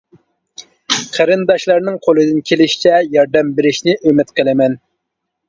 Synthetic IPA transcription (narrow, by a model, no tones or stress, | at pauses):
qʰæɾɨnd̪ɑʃlˠɑɾnɨŋqʰolˠɨd̪ɨnkʲʰelɪʃi̥t͡ʃʰɛjɑɾd̪ɛmbeɾɪʃnɪʔømɪt̪qʰəlˠɪmɛn